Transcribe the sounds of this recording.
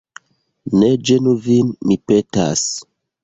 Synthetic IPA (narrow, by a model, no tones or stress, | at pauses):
ned͡ʒenuvinmipeta̰s